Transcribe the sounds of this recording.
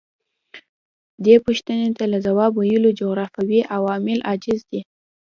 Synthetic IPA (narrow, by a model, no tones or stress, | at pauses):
d̪epuʃt̪ənet̪alazawɑbwajəlod͡ʒoɣɾɑfawiʔawɑmɪlʔad͡ʒɪzd̪i